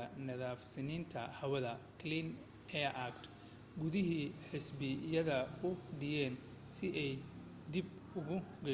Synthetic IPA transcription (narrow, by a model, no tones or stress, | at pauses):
ɐnɐðaːfsɪniːnt̪ʰɐ̰hɐwɐðɐkʰlin | ɛʔakt̪ | ɡʊðɪɦiːħɪsbɪjɐðɐʊɖɪjɛːn | sɪʔɛj | d̪ɪb | ʊɣʊɡɐ